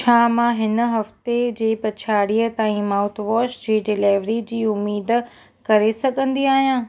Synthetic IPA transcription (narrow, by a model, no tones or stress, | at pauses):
t͡ɕʰaːmãɦɪnəɦɐft̪ed͡ʑeːpɐt͡ɕʰaːɽiːət̪aːĩmaːʊt̪ʰʋɔːʃd͡ʑiːɖɪleːʋɾid͡ʑiːʊmːiːd̪ | kɐɾesɐɠʱə̃nd̪iaːɦijãː